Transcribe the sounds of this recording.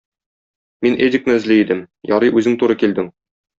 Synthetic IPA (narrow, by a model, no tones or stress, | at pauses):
minʔedʲɪk̚nɘɘ̆zliid̪ɘm | jɒɾɤjʔʉzɘŋt̪uɾɤkild̪ɘŋ